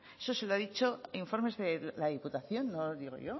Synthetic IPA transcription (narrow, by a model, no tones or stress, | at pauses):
e̞̥sose̞loaðit͡ʃo̞iɱfo̞ɾme̞zðe̞laðiput̪aθjo̞nːoðiɣ̞o̞̰ʝo̞